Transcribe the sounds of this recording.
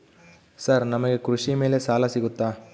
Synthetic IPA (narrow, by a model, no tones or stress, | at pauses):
sɐɾnɐmɐɡe̞kɾuʂime̞ːlesaːlɐsiɡut̪ːaː